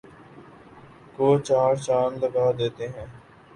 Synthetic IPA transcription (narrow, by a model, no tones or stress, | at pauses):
koːt͡ʃaːɾt͡ʃaːnləɡaːd̪eːt̪eːɦɛ̃ː